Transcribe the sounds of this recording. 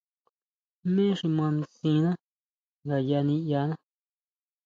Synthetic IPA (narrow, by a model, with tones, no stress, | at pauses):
mẽ˦ʂi˧mã˧n˧sĩ˧nã˦ | ŋɡa˨ja˧nĩ˧ja˧nã˦